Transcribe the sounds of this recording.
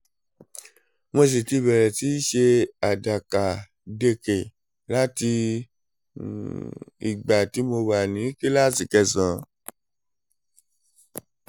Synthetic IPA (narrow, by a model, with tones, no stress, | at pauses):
mo˧s̬e˨ti˧bɛ˨ɾɛ˨ti˨˦ʃe˧a˨da˨ka˨ | de˧ke˨ | la˦ti˧ | ḭ˨ɡ͡ba˨ti˨˦mo˧wa˨nĩ˨˦ki˦la˦si˨kɛ˧˨sã˨